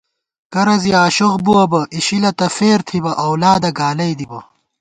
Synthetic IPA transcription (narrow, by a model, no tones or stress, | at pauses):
kɐɾɐziaːɕoqbuwɐbɐʔiɕilɐt̪ɐfeːɾt̪ʰibɐʔɐwlaːd̪ɐɡaːlɐjd̪ibɐ